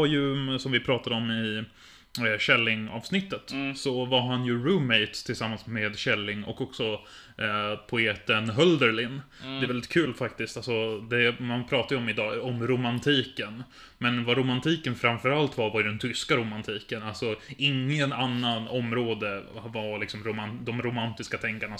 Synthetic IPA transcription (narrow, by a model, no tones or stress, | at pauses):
aɾjɵsɔmvɪpʰɾɑːt̪ad̪əɔmɪ | ɕɛlːɪŋɑ̰ːvsnɪt̪ːət̪sɔvaɾɦanjɵɾʉːmɛɪt̪st̪ʰɪlsamːansmeːd̪ɕɛlːɪŋɔ̰kːɔksɔ | pʰʊeːt̪ənɦœld̪əɾlɪn | d̪ɛvɛld̪ɪt̪kʰʉ̟ːlfak̚t̪ɪst̪alsɔd̪ɛmanpʰɾɑːt̪ajəɔmɪd̪ɑːɔmɾʊmant̪ʰiːkən | mɛnvaɾʊmant̪ʰiːkənfɾamfœɾalt̪vaɾvaɾjd̪ɛnt̪ʰʏskaɾʊmant̪ʰiːkənalsɔɪŋːənanːanɔmɾoːd̪əvalɪksɔmɾʊmand̪ɔmɾʊmant̪ɪskat̪ʰɛŋkaɳa